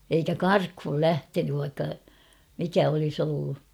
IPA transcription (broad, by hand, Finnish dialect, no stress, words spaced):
eikæ kɑrkhul læhtenyʋ ʋɑikːɑ mikæ olis olːu